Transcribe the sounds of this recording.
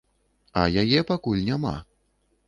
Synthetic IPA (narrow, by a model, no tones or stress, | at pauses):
ɐ̰jajɛpakulʲnʲama̰